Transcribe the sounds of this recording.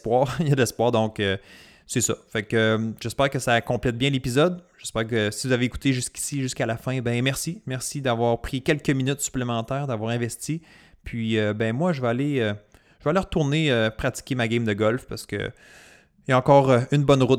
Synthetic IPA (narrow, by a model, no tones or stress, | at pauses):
pwɑːʁjad̪lɛspwɑːʁd̪ɔ̃kø | sɛsɔfakømʒ̥ɛspɛːʁkəsakɔ̃plɛt̪̚bjɛ̃lepizɔd̪ʒ̥ɛspɛːʁk̬əsivuzaveːku̥t̪eʒyskʲi̥siʒyskalafɛ̃bɛ̃mɛʁsimɛʁsid̪avwɑːʁpχikʲɛlkʲəminyt̪sy̥plemɑ̃t̪ɛːʁd̪avwɑːʁɛ̃vɛst͡s̪i | pʰɥiøbɛ̃mwaʒəvɛaleøʒ̥əvøaleʁət̪uʁneøpχat͡si̥kʲemaɡʲɛmd̪əɡɔlfpaʁsə̥kə̰ | jaɑ̃ːkɔːʁøynbɔnʁʊt̪̚